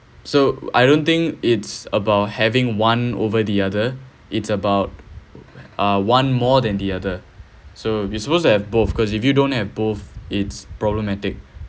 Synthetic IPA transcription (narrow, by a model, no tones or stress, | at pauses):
soa̰jdõnt̪ɪ̃ŋkɪtsəbaʊt̚hɛvɪ̃ŋwãno̰vəd̪iadə | ʔɪtsəbaʊt̚ | ʌwãnmɔd̪ɛ̃nd̪iadə | sojusəpos̬tuɛvboθkɔs̬ɪfjudõnt̚hɛvboθɪtspɹɔbləmɛtɪk̚